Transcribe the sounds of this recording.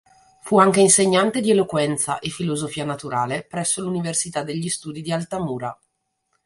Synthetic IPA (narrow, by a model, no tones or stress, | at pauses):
fuaŋk̟einseɲːant̪ed̪ielokwɛnt̪saʔefilozofiːanat̪uɾaːlepɾɛsːoluniversit̪ad̪ːeʎːist̪uːd̪id̪ialt̪amuːɾa